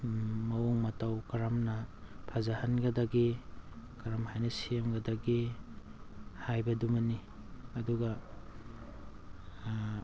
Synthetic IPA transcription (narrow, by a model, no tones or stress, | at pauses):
mɐwoŋmɐtawkɐɾamnɐpʰazahɐnɡɐdɐɡikɐɾamhajnɐsijemɡɐdɐɡi | hajbɐdumɐni | ɐduɡɐ